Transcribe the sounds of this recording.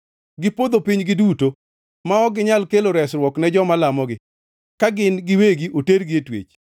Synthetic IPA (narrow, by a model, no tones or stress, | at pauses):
ɡɪpod̪opiɲɡɪduto | maɔɡɪɲalkeloɾɛsɾwɔknɛd͡ʒɔmalamɔɡɪ | kaɡɪnɡɪweɡiʔoteɾɡietwḛt͡ʃ